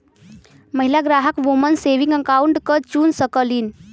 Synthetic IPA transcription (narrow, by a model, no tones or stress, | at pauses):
məɦilaɡɾaɦəkʋumənseʋiŋɡəkauɳʈkət͡ʃunsəkəlin